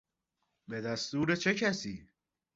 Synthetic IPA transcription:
be̞d̪æst̪uːɾet͡ʃʰe̞cʰæsiː

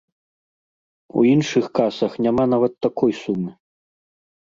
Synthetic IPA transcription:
ṵinʂɨxkasɐxnʲamanavɐt̪ːakɔjsumɨ

